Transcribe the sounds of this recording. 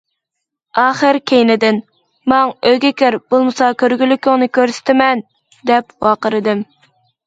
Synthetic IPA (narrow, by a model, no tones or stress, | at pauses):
ɑːχəɾkʲʰejnɪd̪ɪn | mɑŋøjɡʲekʲøɾbolˠmɨsɑkʲʰøɾɡʲylːykʲyŋnɨkʲʰøɾsɪ̥t̪ɪmɛn | d̪ɛpwɑːqəɾɨd̪ɪm